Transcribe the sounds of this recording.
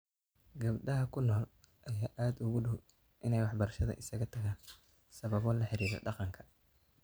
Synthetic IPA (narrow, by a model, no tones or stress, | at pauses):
ɡɐbɖɐɦɐkʰʊnɔːl | ʔɐjaːʔaːd̪ʊɣʊɖʊw | ʔɪnɛjwɑħbɐɾɐʃɐðɐ̰ʔɪsɐɣɐt̪ʰɐɣaːn | sɐβɐβɔːlɐħɪɾiːɾɐ̰ɖɑqɑŋkʰɐ̥